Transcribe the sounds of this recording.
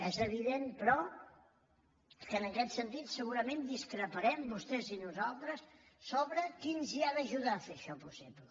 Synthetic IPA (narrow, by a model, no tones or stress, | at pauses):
ɛzəβ̞iðenpɾɔ | kənəkɛt̪sənt̪it̪səɣuɾəmend̪iskɾəpəɾɛmbust̪ɛzinuzalˠt̪ɾəsː | oβɾəkinziaðəʒuðafeəʃɔpusiplə